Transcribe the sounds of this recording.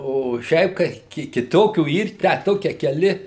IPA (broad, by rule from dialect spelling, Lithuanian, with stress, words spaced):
oː ˈʃʲɛɪp kɐɪ kʲɪ kʲɪˈtoːkʲuː ˈiːr tʲæː ˈtoːkʲiɛ kʲɛˈlʲɪ